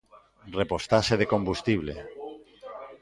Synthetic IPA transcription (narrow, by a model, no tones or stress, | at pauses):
repost̪aseðekombust̪iβ̞le